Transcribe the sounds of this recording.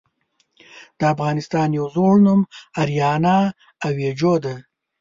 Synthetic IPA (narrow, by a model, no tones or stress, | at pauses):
d̪̥əafɣɑːnɪst̪ɑːnjawzoɽnumaɾjɑːnɑː | wjed͡ʒod̪e